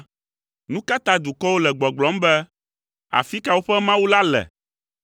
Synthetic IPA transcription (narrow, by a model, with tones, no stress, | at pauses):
nũ˦ka˦t̪a˦d̪u˨kɔ˦wo˦lɛ˨ɡ͡bɔ˨ɡ͡blɔ˨˦m̩˦bɛ˦ | a̰˨fi˦ka˨wo˦ɸɛ˦mã˦wu˦la˦lɛ̰˨